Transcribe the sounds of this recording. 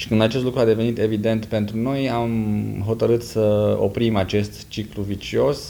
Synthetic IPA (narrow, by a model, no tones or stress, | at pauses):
ʃi̥kɨnd̪at͡ʃest̪lukɾuad̪e̞ve̞nit̪e̞vid̪e̞nt̪pe̞nt̪ɾuno̞jamɦo̞t̪əɾɨt̪səo̞̰pɾimat͡ʃe̞st̪t͡ʃikluvit͡ʃio̞s